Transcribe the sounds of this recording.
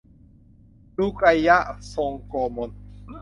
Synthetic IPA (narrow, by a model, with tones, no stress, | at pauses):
lu˦˩kɾa˧ja˦˥ʔso˧ŋkoː˧mo˧n